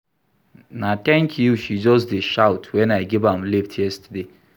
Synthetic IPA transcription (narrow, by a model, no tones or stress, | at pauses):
natɛ̃ŋkʰjuʃid͡ʒɔs̬deʃaʊtʰwɛ̃naɪɡivãmliftʰjɛstəde